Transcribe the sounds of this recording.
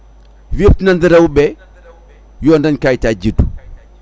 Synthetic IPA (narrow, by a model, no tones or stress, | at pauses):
viptinandəɾawube | jondankajtad͡ʒidu